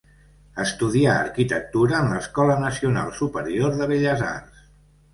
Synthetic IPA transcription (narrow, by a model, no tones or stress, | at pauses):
əst̪uðiaə̰ɾkit̪ək̚t̪uɾəːnləskɔlənəsiuna̰lˠsupəɾioɾðəβeʎəza̰rs